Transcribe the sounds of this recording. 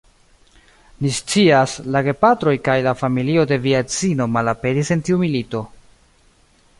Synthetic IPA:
nist͡siaslaɡe̞patɾo̞jkajlafamilio̞de̞viat͡sino̞malape̞ɾise̞ntiumilito̞

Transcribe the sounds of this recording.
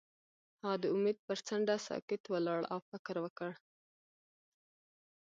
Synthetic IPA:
hɑd̪əʊmed̪̚pəɾt͡saɳɖasɑ̰kɪt̪walɑɽa̰wfɪkɾwəkəɽ

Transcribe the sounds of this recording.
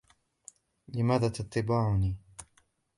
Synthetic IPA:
lɪmaːðaːt̪at̪ˤːɪbaːʕʊniː

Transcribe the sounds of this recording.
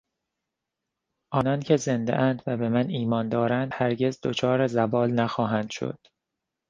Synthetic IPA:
ʔɒːnɒːncʰe̞ze̞nd̪eʔænd̪væbe̞mæniːmɒːnd̪ɒːɾænd̪̥hæɾɟe̞zd̪ot͡ʃʰɒːɾezævɒːlnæxɒːɦænd̪̥ʃo̰d̪̥

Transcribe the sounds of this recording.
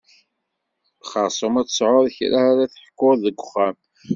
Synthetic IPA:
χɑsˤəmæt͡ssˤʕoɾˤçɾaaɾaθəħə̥kːʊɾðəɡʷʊχæm

